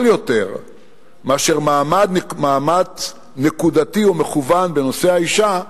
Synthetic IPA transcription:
ljo̞t̪e̞ʁ | meaʃeʁmaːmad̪maːmat | ne̞kud̪at̪iomeχuvanbeno̞se̞haiʃa

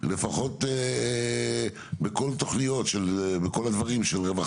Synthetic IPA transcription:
le̞faχo̞t̪e | beko̞lt̪o̞χnijo̞tʃelbeko̞lad̪vaʁimʃelʁeva

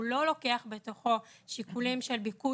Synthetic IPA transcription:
lo̞lo̞ke̞aχbe̞to̞χo̞ʃikulimʃe̞lbiku

